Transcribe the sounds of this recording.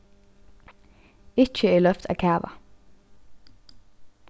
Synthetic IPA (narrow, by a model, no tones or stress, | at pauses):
ɪc͡çəiːlœft̪ʰɑ̰ːkʰæːʋɑ̰